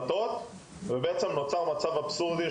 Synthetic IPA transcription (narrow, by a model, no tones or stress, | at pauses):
t̪ot̪ | vebeʔet͡semnot͡saʁmat͡savapsuʁd̪i